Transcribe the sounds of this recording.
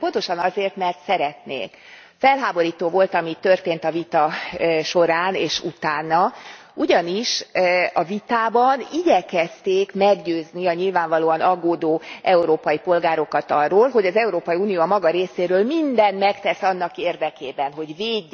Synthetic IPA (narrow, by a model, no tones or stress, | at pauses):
po̞nt̪o̞ʃɒnɒzeːrt̪mɛrt̪sɛɾɛt̪nḛːk | fɛlɦaːbo̞ɾiːt̪oːvo̞lt̪ɒmit̪ːørt̪eːnt̪ɒvit̪ɒʃo̞ɾaːneːʃut̪aːnːɒ | uɟɒniʃɒvit̪aːbɒniɟɛkɛst̪eːkmɛɡɟøːzniɒɲilvaːɱvɒloːɒnɒɡoːd̪oːʔɛuɾoːpɒjipo̞lɡaːɾo̞kɒt̪ɒrːoːlɦo̞ɟɒzɛuɾoːpɒjiuːnijoːɒmɒɡɒɾeːseːɾøːlmind̪ɛnmɛkt̪ɛsɒnːɒkeːrd̪ɛkeːbɛnɦo̞ɟveːɟː